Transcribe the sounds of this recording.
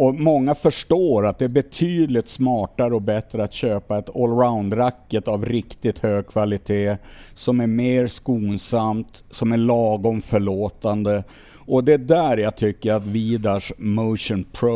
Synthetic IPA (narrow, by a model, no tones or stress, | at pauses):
ɔmɔŋːafœʂʈoːɾat̪̚d̪ɛæɾbɛt̪ʰyːd̪lɪt̪smɑːʈaɾəɔbɛt̪ɾəat̪ɕøːpaɛt̪ɔlɾaʊnd̪ɾakːət̪avɾɪkt̪ɪt̪høːɡ̚kʰvalɪt̪ʰeːsɔmæɾmeːɾskuːnsamt̪ | sɔmæɭɑːɡɔmfœɭoːt̪and̪ə | ɔd̪ɛd̪æɾjat̪ʰʏkːəɾat̪viːd̪aʂmoʊʂənpʰɾo